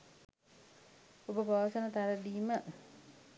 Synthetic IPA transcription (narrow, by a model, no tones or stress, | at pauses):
obəpaʋasənət̪aɾədiːmə